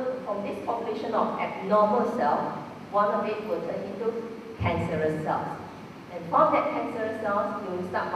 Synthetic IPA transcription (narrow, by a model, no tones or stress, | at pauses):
fɹɔ̃mdɪspʰɔpjuleʃə̃nɔfɛb̚nɔməlsɛlf | wãnɔfẽtwʊtʰə̃nĩntu | kʰɛ̃nsəɹəsːɛ̰ls | ʔɛ̃nfɔ̃mdɛt̚kʰɛ̃nsəɹəsɛlsjuwsãt̚